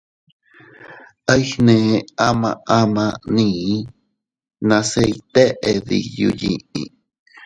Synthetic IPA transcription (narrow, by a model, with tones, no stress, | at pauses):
a˦jhnẽ˨˧a˦mã˧a˦mã˧nĩː˨˦ | nã˧se˦˧i˧t̪e˦ʔe˧ði˧ju˧ji˧ʔḭ̃˧˨